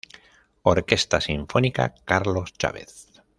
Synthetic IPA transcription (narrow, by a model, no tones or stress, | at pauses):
oɾke̞st̪asiɱfonika̰kaɾlo̞st͡ʃa̰βḛθ